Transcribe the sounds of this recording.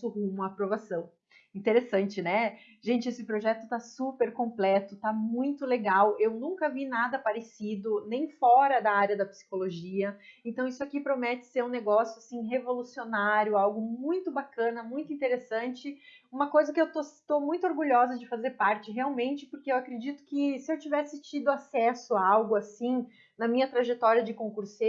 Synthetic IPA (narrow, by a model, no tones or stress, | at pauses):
sʊhũmuɐːpɾovasɐ̃w̃ | ĩnt̪eɾesɐ̃nt͡ʃɪnɛ | ʒẽnt͡ʃɪesɪpɾoʒɛt̪ʊt̪asupeɾkõmplɛt̪ʊt̪amũj̃t̪ʊleɡawewnũŋkɐvinad̪ɐpaɾesid̪ʊnẽj̃fɔɾɐd̪ɐaɾjɐd̪ɐpi̥si̥koloʒiɐẽnt̪ɐ̃w̃isʊakipɾomɛt͡ʃ̪ɪ̥seɾũneɡɔsjʊasĩɦevolusionaɾjʊawɡʊmũj̃t̪ʊbakɐ̃nɐmũj̃t̪ʊĩnt̪eɾesɐ̃nt͡ʃɪ | ũmɐkojzɐkɪewt̪ot̪omũj̃t̪ʊoɾɡuʎɔzɐd͡ʒɪfazeɾpaɾt͡ʃɪɦeawmẽnt͡ʃɪpoɾkeewakɾed͡ʒit̪ʊ̥kɪsɪewt͡ʃivɛsɪt͡ʃid̪ʊasɛsʊaawɡʊasĩ | nɐmĩɲɐt̪ɾaʒet̪ɔɾiɐd͡ʒɪkõkuɾse